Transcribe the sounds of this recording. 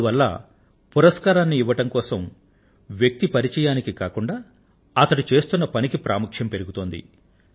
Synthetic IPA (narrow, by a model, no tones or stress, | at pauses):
uʋɐlːɐ̰ | puɾɐskaːɾaːnːiːʋːɐʈɐmkɔːsɐm | ʋjɐk̚t̪ipɐɾit͡ʃɛːjaːnikikaːkuɳɖaː | ɐt̪ɐɽut͡ʃe̞ːst̪unːɐpɐnikipɾa̰ːmukʂjɐmpe̞ɾuɡut̪o̞ːnd̪ḭ